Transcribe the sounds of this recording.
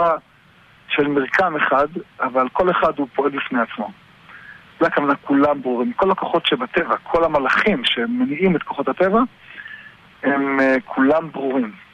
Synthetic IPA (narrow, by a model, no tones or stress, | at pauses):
a | ʃelmiʁkameχad̪avalko̞le̞χad̪hupoe̞lbifnejat͡smo̞ | ulajkavanakulambʁuʁimko̞lako̞χo̞tʃebat̪e̞vakʰo̞lamalaχimʃemːeniʔimet̪ko̞χo̞t̪hat̪eva | hemkʰulambʁuʁim